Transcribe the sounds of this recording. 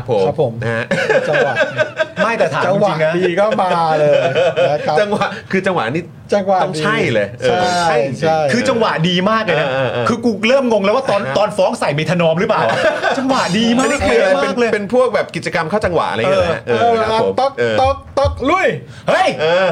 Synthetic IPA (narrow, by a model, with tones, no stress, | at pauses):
kʰa˦˥pʰːo˨˩˦a˦pʰːo˩˦mn˦a˥˧t͡ɕa˧ŋwa˨˩ma˥˩jt̪ɛː˨˩t̪ʰaː˨˦˨a˧wat͡ɕi˨˩˨ŋn˦iː˧kɔː˥˩maː˧lɤː˧˦ | t͡ɕa˧ŋwa˨˩kʰɯː˧t͡ɕa˧ŋwa̰˨˩ʔniː˥˩ | t͡ɕa˧ŋwa˨˩˥ŋt͡ɕːʰa˥˩jlɤː˧˩jʔʰɤaː˧˥˩a˥˩ji˨˧t͡ɕia˧˥˩jkʰɯː˧t͡ɕa˧ŋwa˨˩ʔdiː˧maː˥˩k̚leː˧jna˦˥˧kʰɯː˧kuː˧˩k̚ɾɤː˥˩mŋo˧ŋlɛ˦˥waː˥˩t̪ɔː˧nt̪ɔː˧nfɔː˦˥ŋsa˨˩jma˧jt̪ʰa˧nɔː˧mɾɯ˦˥plaː˨˩wt͡ɕa˧ŋwa˨˩diː˧maː˧˥dkʰi˧a˧maːe˧˥˩nk̚ɤː˧jpe˧npʰu˥˩ək̚bɛː˨˩p̚ki˨˩t͡ɕa˧ka˧mkʰaː˥˩wt͡ɕa˧ŋwa̰˨˩ʔa̰˧a˧əː˧˦ʔːoː˧aa˧o˩˦mt̪o˦˥k̚ɤː˧˩o˦˥k̚t̪o˦˥k̚lu˥˩əj | hɤ˦˥˩jʔɤː˧